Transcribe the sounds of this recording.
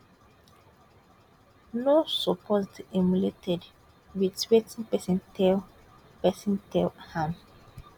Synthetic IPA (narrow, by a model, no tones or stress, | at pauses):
nosɔpʰɔstɛmuletʰɛd | witɹetĩnpɛsɛ̃ntɛl | pɛsĩntɛlhãm